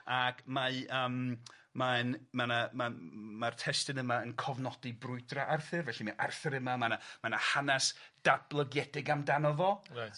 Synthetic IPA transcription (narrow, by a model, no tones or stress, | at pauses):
aɡmaəːm | maənmanamamartʰɛstɪnəmaənkʰɔvnɔdibrʊɨdraʔarθɨrvɛɬimaʔarθɨɾəmamanamanahanasd̥ab̥lˠəɡjɛdɪɡamdanɔvɔa